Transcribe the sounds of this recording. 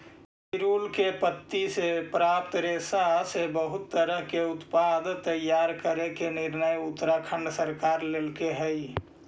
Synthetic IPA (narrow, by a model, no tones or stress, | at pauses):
ɪɾulkepət̪ːisepɾap̚t̪ɾesasebəɦʊt̪ːəɾəɦkeʊt̪pad̪t̪əjaɾkəɾekenɪɾnəjʊt̪ːɾakʰə̃ɳɖsəɾkaɾlelkeɦɛj